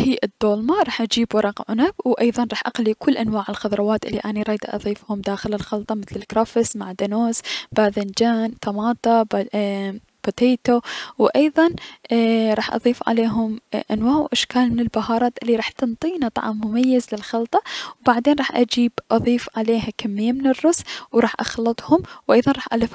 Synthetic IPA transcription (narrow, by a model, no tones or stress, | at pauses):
hiːʔɪd̪ːoːlmaɾˤɑːħʔad͡ʒiːbwɾˤɑqʕʊnabwʔɑjðˤɑnɾˤɑːħʔaqalikʰʊlːʔanwaːʕɪlxɑðˤɾˤɑwaːt̪ʔɪlːiʔaːniɾˤɑːd̪a̰ʔɑ̰ðˤiːfhʊmd̪aːxɪlɪlxɑlt̪ˤɑmɪθlɪlkɾˤɑfɪsmaʕd̪anoːsb̥aðand͡ʒaːnt̪ɑmɑːt̪ˤɑb | b̥ot̪eːt̪owʔɑjðˤɑn | ɾˤɑːħʔɑ̰ðˤiːfʕa̰leːɦʊmʔanwaːʕwʔaʃkaːlmɪnɪlbahɑːɾˤɑːt̪ʔɪlːiɾˤɑːħt̪ɨnt̪ˤiːnat̪ˤɑ̰ʕmːʊmajːazlɪlxɑlt̪ˤɑwbaʕd̪eːnˤɑːħʔad͡ʒiːbʔɑðˤiːfʕaleːhakamːɪjːamɪnɪrːʊswɾˤɑːħʔɑ̰xlɨt̪ˤhʊmwʔɑjðˤɑnɾˤɑːħʔalɪf